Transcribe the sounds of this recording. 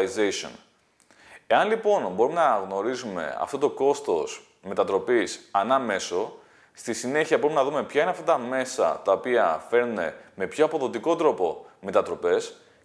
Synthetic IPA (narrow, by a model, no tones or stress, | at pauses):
izeso̰n | e̞ɐnlipo̞nbo̞ɾume̞nɐɣno̞ɾizume̞̰ɐ̰ft̪o̞t̪o̞ko̞st̪o̞s | me̞t̪ɐt̪ɾo̞pisɐnɐme̞so̞ | st̪isine̞çiɐbo̞ɾumenɐðume̞pçɐineɐft̪ɐt̪ɐme̞sɐ̰t̪ɐopiɐfe̞ɾnune̞me̞pço̞ɐpo̞ðo̞t̪iko̞t̪ɾo̞po̞me̞t̪ɐt̪ɾo̞pe̞s